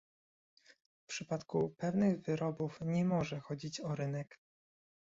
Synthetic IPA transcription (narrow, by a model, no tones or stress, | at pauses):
fpʂɘpat̪kupɛvnɘɣvɘɾɔbufɲɛmɔʐɛxɔd͡ʑit͡ɕɔɾɘnɛk